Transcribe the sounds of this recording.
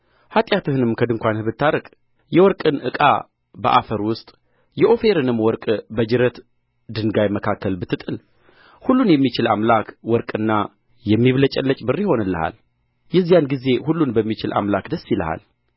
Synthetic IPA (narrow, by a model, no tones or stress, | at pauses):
hat̪ʼjat̪ɨhɨnɨmkʰəd̪ɨŋkʷanhɨβɨt̪ʰːaɾəkʼ | jɛwɔɾkʼɨnʔɨkʼa̰ | bə̰ʔa̰fəɾwʊst̪ʼ | jɛʔo̞fe̞ɾɨnɨmwɔɾkʼbəd͡ʒɨɾət̪ | d̪ɨnɡajməkʰakʰːəlbɨt̪ʰːɨt̪ʼɨl | hulːunjɛmːit͡ʃɪla̰mlakwɔɾkʼɨnːa | jɛmːiβlət͡ʃʼɛlːət͡ʃʼbɨrːiho̞nɨlːə̰ha̰l | jɛzːijanɡize̞hulːunbəmːit͡ʃɪlʔa̰mlakd̪əsːilə̰ha̰l